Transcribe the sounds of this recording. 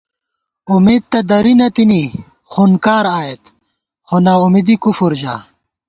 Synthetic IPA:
umeːd̪̚t̪ɐd̪ɐɾinɐt̪ini | xuːnkaːɾaːet̪ | xonaumid̪ikufuɾd͡ʑa̰ː

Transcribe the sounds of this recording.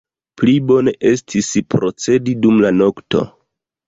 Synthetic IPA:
plibo̞neʔe̞stʰispɾo̞t͡se̞didumlano̞kto̞̰

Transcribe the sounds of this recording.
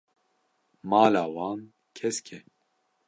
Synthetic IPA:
mɑːlaːwɑːn | kʰɛskʰɛ

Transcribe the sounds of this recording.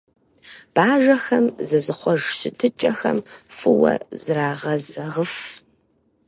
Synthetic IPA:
b̥aːʒɐxɐmzɐzɨχʷɔʒsɨtʰɨt͡ʃʼɐxɐmfɨwɐ̰zraːʁɐzɐʁəf

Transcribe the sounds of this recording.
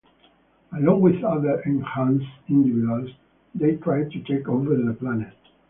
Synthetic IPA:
əlɔ̃ŋwɪðʌðə˞ʔɛ̃nhãnsɪ̃ndividuals | ðeɪtʰɹaɪd̚tutʰekovə˞ðəplænɛt

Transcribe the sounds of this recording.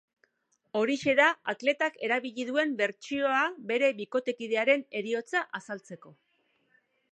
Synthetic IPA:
o̞ɾiʃe̞ðaat̪le̞t̪ake̞ɾaβiʎiðue̞mbe̞ɾt͡ʃio̞abe̞ɾe̞βiko̞t̪e̞kið̞e̞aɾe̞ne̞ɾio̞t͡saʔasalt͡se̞ko̞

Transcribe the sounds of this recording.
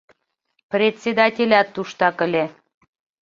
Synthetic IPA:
prʲet̪ʲsʲed̪ɑtʲelʲɑt̪ːuʃt̪ɑkə̆lʲe

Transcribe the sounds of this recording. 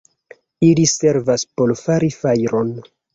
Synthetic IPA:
ilise̞ɾvaspo̞lfaɾifajɾo̞n

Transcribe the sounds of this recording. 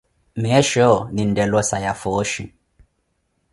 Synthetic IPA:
mɛʃɔnindɛlɔsajafɔʃḭ

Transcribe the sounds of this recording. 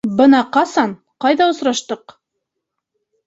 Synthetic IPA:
bɤnɑqɑsɑn | qɑjðɑŏsɾɑʃt̪ɤq

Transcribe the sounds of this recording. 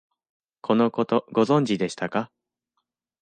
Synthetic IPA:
kʰo̞no̞ko̞t̪o̞ɡo̞zõ̞ɲ̟d͡ʑid̪e̞ɕi̥t̪aka

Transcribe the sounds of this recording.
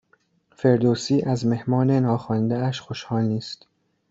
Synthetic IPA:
fe̞ɾd̪oːsiːʔæzme̞hmɒːnenɒːxɒːnd̪eæʃxo̞ʃhɒːlniːst̪

